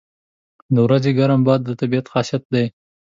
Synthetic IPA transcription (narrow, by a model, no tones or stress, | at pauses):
d̪əwɾazeɡaɾambɑd̪ːət̪abiat̪xɑʃat̪̚d̪aj